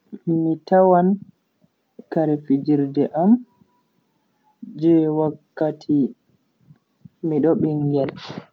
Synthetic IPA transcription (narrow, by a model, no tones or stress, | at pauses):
mitawan | kaɾɛfid͡ʒiɾdɛʔam | d͡ʒɛwakːatʰi | miɗɔɓiŋɡɛl